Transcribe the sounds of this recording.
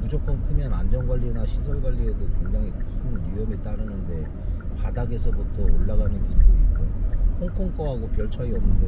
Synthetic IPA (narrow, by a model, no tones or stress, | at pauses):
mud͡ʑok͈ʌnkʰɯmjʌnand͡ʑʌnɡwaʎːinaɕʰisʰoɭɡwaʎːie̞dokwe̞ŋd͡ʑaŋikuŋjujʌɡit͈aɾɯnɯnde̞ | padaɡe̞sʰʌkotʰʌoɭːaɡanɯnkilduik͈okʰoŋkʰoŋk͈ʌɦaɡopjʌɭt͡ɕʰʌiʌnːɯnde